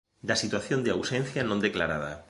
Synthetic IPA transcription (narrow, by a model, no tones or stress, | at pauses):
d̪asit̪waθjo̞nd̪eawsẽnθjanond̪eklaɾað̞a̰